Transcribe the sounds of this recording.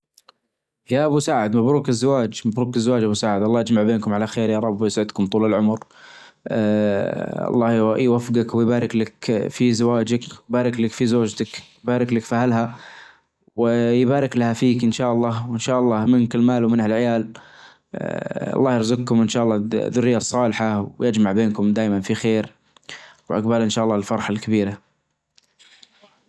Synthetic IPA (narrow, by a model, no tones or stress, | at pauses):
jaʔabusaːʕɪd̪mabɾuːkɪzːawaːd͡ʒmabɾuːkɪzːawaːd͡ʒʔabusaːʕɪd̪ʔɑlˤːɑːʔad͡ʒmaʕbeːnkʊmʕalaxeːɾjɑːɾˤɑbːijɪsʕɪd̪kʊmt̪ˤuːlɪlʕʊmɾ | ɑ̰lˤːɑːjwafɡakwɪjbaːɾɪklakfizawaːd͡ʒakwjbaːɾɪklakfizoːd͡ʒt̪akjbaːɾɪklakfahalɦa | wɪjbaːɾɪklahafiːkʔɪnʃaːʔɑlˤːɑːwɪnʃaːʔɑlˤːɑːmɪnkɪlmaːlwmɪnhalʕɪjaːl | ɑ̰lˤːɑːhjɑɾzʊɡ̚kʊmʔɪnʃaːʔɑlˤːɑːðʊrːɪjːasˤːɑːlħawjɪd͡ʒmaʕbeːnkʊmd̪aːjmanfixeːɾ | wʔa̰ɡbalʔɪnʃaːʔɑlˤːɑːɪlfɑɾˤħalkabiːɾa